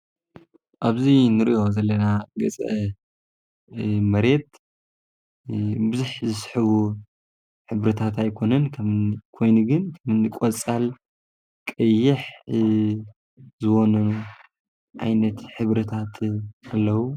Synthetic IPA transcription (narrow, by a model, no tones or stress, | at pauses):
ʔaβzinɨɾḭʔo̞zɐlːɐnaɡɐt͡sʼɐ | mɐɾe̞t̪ | bɨzuħzɨsħɨβu | ħɨβɾɨt̪ʰat̪ajkʰo̞nɐnkʰɐmɨnkʰo̞jnuɡɨnkʰɐmɨnɨkʼɔt͡sʼal | kʼɐjːɪħ | zɨwonɐnu | ʕa̰jnɐt̪ħɨβɾɐt̪ʰat̪ʰʔalːɐwu